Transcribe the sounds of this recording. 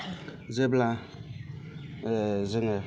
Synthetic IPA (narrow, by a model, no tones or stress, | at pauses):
zebla | zɪŋe